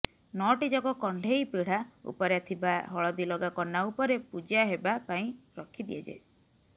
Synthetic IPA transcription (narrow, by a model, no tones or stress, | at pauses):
nɔʈid͡ʒɔkɔkɔɳɖʱejpiɽ̤aṵpɔɾjat̪ʰibaɦɔɭɔd̪ilɔɡakɔnːaupɔɾepud͡ʒiaɦebapaĩɾɔkʰid̪iad͡ʒḛ